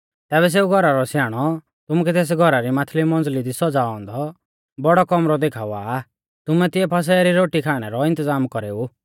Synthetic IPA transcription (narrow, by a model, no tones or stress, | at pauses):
t̪ɛːβɛs̬eːuɡʱɔɾaɾɔsjaːɽ̃ɔ | t̪ʊmuk̬ɛt̪eːs̬ɡʱɔɾaɾimaːt̪ʰlimɔ̃nd͡zlid̪isɔd͡zaːɔ̃nd̪ɔ | bɔɽɔkɔmɾɔd̪eːkʰaːuaː | t̪ʊmɛt̪ɪɛpʰɐs̬ɛːɾiɾoːʈikʰaːɽ̃ɛɾɔɪ̃nt̪əzaːmkɔɾeːu